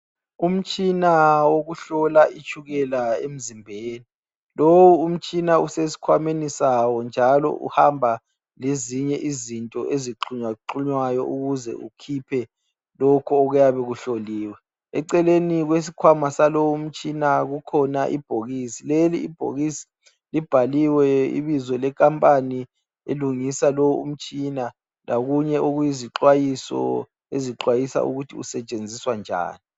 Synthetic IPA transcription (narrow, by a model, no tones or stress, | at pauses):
um̩t͡ʃʼinawoɣuɬɔlaʔit͡ʃʰʼuɣɛlaem̩zimbʱeːni | lowuum̩t͡ʃʼinausesi̥kʰwamenisawɔnd͡ʒʱalɔ̰ʔṵhambʱa | leziɲɛʔizintʼɔ̰ʔeziǁʰuɲaǃuɲwajɔ̰ʔuɣuzɛ̰ṵkʰipʰɛ | lɔkʰɔːɣujaβɛɣuɬoliːwɛ | ɛǀɛleniɣwes̬i̥kʰwamasalɔwum̩t͡ʃʼinaɣukʰɔnaʔḭb̥ʱoɣiːsileliːb̥ʱo̰ɣisi̥ | lib̥ʱaliwɛḭβizɔlɛkʼampʼani | ḛluŋisalɔwṵm̩t͡ʃʼina | lʔaɣuɲɛʔoɣujiziǁwajisɔ̰ | eziǁwajisa̰ʔṵɣutʰiṵsɛt͡ʃʼend͡zʱiswand͡ʒʱa̰ːni